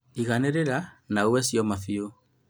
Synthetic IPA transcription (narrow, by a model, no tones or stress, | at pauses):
iɣaneɾeɾanaowɛsjɔmafio